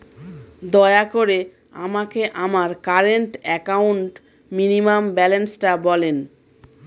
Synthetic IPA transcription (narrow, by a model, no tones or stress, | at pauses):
d̪ɔeakoɾe | a̰makeʔamaɾkaɾeɳʈɛkauɳʈ | minimambɛlensʈabɔlen